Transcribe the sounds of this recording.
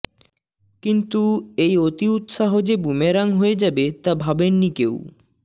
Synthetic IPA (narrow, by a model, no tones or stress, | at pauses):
kint̪uejot̪iut̪ʃaɦod͡ʑebumeɾaŋɦoed͡ʑabet̪abʱabenːikḛw